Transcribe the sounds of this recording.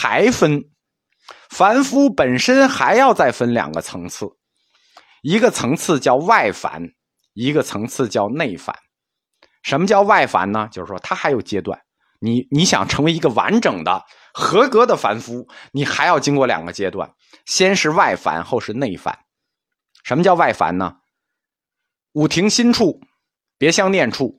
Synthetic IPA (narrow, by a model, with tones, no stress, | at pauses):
xa˧˥ɪfə˥n | fa˧˥nfu˧˥pə˨˩nʂə˥nxa˧˥ɪjɑ˥˧ʊt͡sa˥˩ɪfə˥nljɑ̰˨˩ŋɡə̰˦t͡sʰɤ˧˥ŋt͡sʰɹ̩˥˩ | i˧˥ɡə˧t͡sʰɤ˧˥ŋt͡sʰɹ̩˥˧t͡ɕjɑ˥˧ʊwa˥˩ɪfa̰˧˥n | i˧˥ɡə˧t͡sʰɤ˧˥ŋt͡sʰɹ̩˥˧t͡ɕjɑ˥˧ʊne˥˩ɪfa̰˧˥n | ʂə˧˥nmə˧t͡ɕjɑ˥˧ʊwa˥˩ɪfa̰˧˥nnə˧t͡ɕjo˥˧ʊʂɻ̩˥˩ʂwɔ˥t̪ʰa˥xa˧˥ɪjo˨˩ʊt͡ɕjɛ˥t̪wa̰˥˩n | ni˨˩˥ni˧˥ɕjɑ̰˨˩ŋʈ͡ʂʰɤ˧˥ŋwe˧˥ɪi˧˥ɡə˧wa̰˧˥nʈ͡ʂɤ˨˩ŋd̪ə̰˦ | xɤ˧˥kɤ˧˥d̪ə˨fa˧˥nfu˧˥ni˨˩xa˧˥ɪjɑ˥˩ʊt͡ɕi˥ŋkwɔ˥˩ljɑ̰˨˩ŋɡə˦t͡ɕjɛ˥t̪wa̰˥˩n | ɕjɛ˥nʂɻ̩˥˧wa˥˩ɪfa̰˧˥nxo˥˧ʊʂɻ̩˥˧ne˥˩ɪfa̰˧˥n | ʂə˧˥nmə˧t͡ɕjɑ˥˧wa˥˩ɪfa̰˧˥nnə̰˧ | u˨˩t̪ʰi˧˥ŋɕi˥nʈ͡ʂʰu˥˩ | pjɛ˧˥ɕjɑ˥˧ŋnjɛ˥˧nʈ͡ʂʰu˥˩